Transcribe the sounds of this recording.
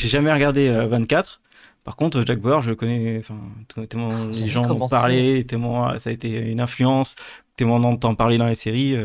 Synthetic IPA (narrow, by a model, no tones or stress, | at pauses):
ʒeʒamɛʁəɡaʁd̪eøvɛ̃t̪kat̪χ | paʁkɔ̃t̪χəʒak̚bɛʁʒəkɔnɛɑ̃fɛ̃t̪ut̪ulmɑ̃leʒɑ̃d̪ɔ̃paʁlet̪ɛmwɑ̰̃saet̪eynɛ̃flyɑ̃s | t̪ɛmɑ̃d̪ɑ̃d̪ət̪ɑ̃paʁled̪ɑ̃leseʁiø